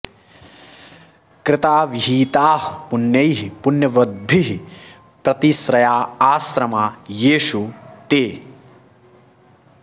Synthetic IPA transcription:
kɾɪt̪aːʋiɦiːt̪aːɦpunjɐjɦipunjɐʋɐd̪̚bʱiɦi | pɾɐt̪isɾɐjaːaːsɾɐmaːjeːʃut̪eː

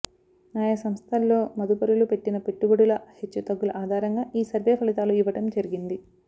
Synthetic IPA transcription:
naːjɐsɐmst̪ʰɐlːo̞ːmɐd̪upɐɾulupe̞ʈːinɐpe̞ʈːuɡɐɽulɐhet͡ʃːut̪ɐɡːulɐʔaːd̪ʱaːɾɐŋɡaːʔiːsɐɾʋeːpʰɐlit̪aːluiʋɐʈɐmd͡ʒɐɾiɡind̪i

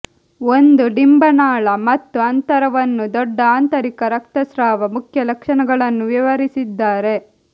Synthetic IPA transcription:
o̞nd̪uɖimbɐnaːɭɐmɐt̪ːuɐnt̪ɐɾɐʋɐnːud̪ɔɖːɐaːnt̪ɐɾikɐɾɐkt̪ɐsɾaːʋɐmukʰjɐlɐkʂɐnɐɡɐɭɐnːuʋiʋɐɾisid̪ːaːɾe̞

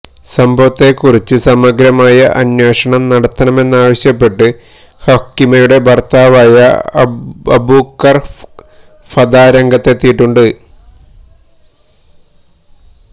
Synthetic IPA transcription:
sɐmbʱɐʋɐt̪ːe̞kːurit͡ɕːɨsɐmɐɡɾɐmaːjɐʔɐnwe̞ːʂɐɳɐmnɐɽɐt̪ːɐnɐme̞nːaːʋɐɕjɐpːe̞ʈːɨ | hokːimɐjuɽe̞bʱɐrt̪aːʋaːjɐ | ɐbukːɐr | fɐd̪aːɾɐŋɡɐt̪ːet̪ːijiʈːuɳɖɨ

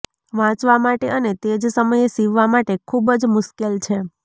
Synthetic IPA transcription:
ʋãt͡ʃʋamaʈeənet̪ed͡ʒsəməjesiʋːamaʈekʰubd͡ʒmʊʃkelt͡ʃʰe

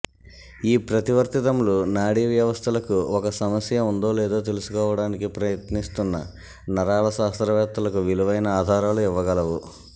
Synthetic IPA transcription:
iːpɾɐt̪iʋɐɾt̪it̪ɐmlunaːɽiʋjɐʋɐst̪ʰɐlɐkuɔkɐsɐmɐsjɐund̪o̞ːlɛːd̪o̞ːt̪̬e̞lusu̥kɔːʋɐɽaːnikipɾɐjɐt̪nist̪unːɐ̰ | nɐɾaːlɐsaːst̪ɾɐʋɛːt̪ːɐlɐkuʋiluʋɐjnɐaːd̪ʱaːɾaːluiʋːɐɡɐlɐʋu

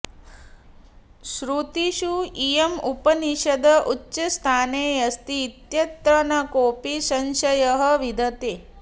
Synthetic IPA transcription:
ʃɾut̪iʃuijemupɐniʃɐd̪ɐʔutːʃɐst̪ʰaːneːjɐst̪iːt̪jɐt̪ɾɐnɐkoːpisɐnʃɐjɐɦɐʋid̪ʱɐt̪eː

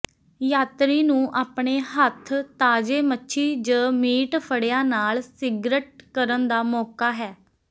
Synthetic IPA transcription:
jaːt̪ɾiːnũːʔaːpɳeːɦət̪ʰt̪ːaːd͡ʒeːmətːʃʰiːd͡ʒəːmiːʈpʰəɽjãːnaːlsɪɡɾəʈ̚kəɾənd̪aːmɔːkaːɦɛː

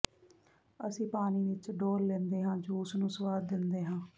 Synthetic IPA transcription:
əsĩːpaːniːʋɪt͡ʃɖoːɾlɛ̃ːnd̪eːɦãːd͡ʒuːsnũːsəʋaːd̪ːɪnd̪eːɦãː

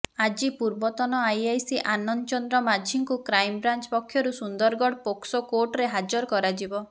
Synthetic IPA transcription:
ad͡ʒipuɾbɔt̪ɔnɔajajsiʔanɔnt͡ʃɔnd̪ɾɔmad͡ʒʱiŋkukɾajmbɾant͡ʃɔpɔkʰːjɔɾusund̪ɔɾɡɔɽpoksɔkoɾʈɾeɦad͡ʒɔɾɔkɔɾad͡ʒibɔ

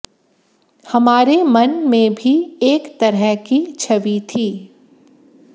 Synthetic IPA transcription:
hɐmaːɾemɐnmẽbʱieːkt̪ɐɾəɦkit͡ʃʰɐʋit̪ʰiː

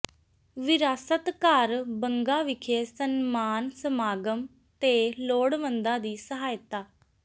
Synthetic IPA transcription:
ʋɪɾaːsət̪kaːɾbəŋɡaːʋɪkʰeːsənmaːnsəmaːɡəm | t̪eːloːɽʋənd̪ãːd̪iːsəɦaːjt̪aː

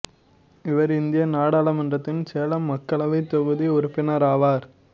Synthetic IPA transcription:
ɪʋɐɾɪnd̪ɪjɐnaːɽaːlɐmɐndrɐt̪ːɪnseːlɐmːɐkːɐɭɐʋɐɪt̪ːɔɣɯðiʊɾʊpːɪnɐɾaːʋaːɾ

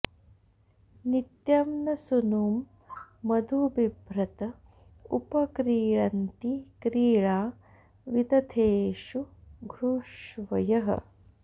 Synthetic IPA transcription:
nit̪jɐmnɐsunuːmː | ɐd̪ʱubibʱɾɐt̪ɐ | upɐkɾiːɭɐnt̪ikɾiːɭaː | ʋid̪ɐt̪ʰeːʃuɡʱɾuʃʋɐjɐɦɐ̰

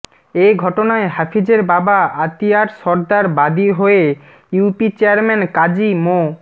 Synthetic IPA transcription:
ejɡʱɔʈonaeɦafʰid͡ʑeɾbabaat̪iaɾʃɔɾd̪aɾbad̪iɦoe | jupit͡ɕeaɾmenkad͡ʑimo

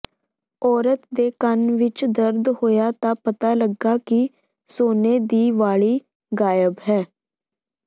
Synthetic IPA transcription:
ɔːɾət̪d̪eːkənʋɪt͡ʃd̪əɾd̪hoːjaːt̪ãːpət̪aːləɡaːkɪ | soːneːd̪iːʋaːɭiː | ɡaːjəbɦɛː

